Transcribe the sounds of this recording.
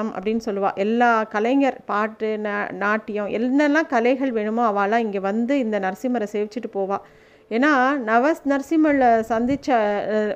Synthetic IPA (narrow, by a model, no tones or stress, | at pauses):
ɐmɐ̰pːɐɽɪnːɯsɔlːɯʋã̰ːʔɛlːaːkɐlɐɪŋɡɐɾpaːʈːɯnnaːʈːɪjʊ̃ʔɛ̰lnɐlːãːkɐlɐɪɣɐɭʋeːɳɯmoːɐʋãːɐlãːɪŋɡeːʋɐnd̪ɯɪnd̪ɐnɐɾsɪmɐɾɐseːʋɪt͡ʃːɯʈːɯpoːʋãː | eːnːaːnɐʋɐsnɐɾsɪmɐɭsɐnd̪ɪt͡ʃːɐ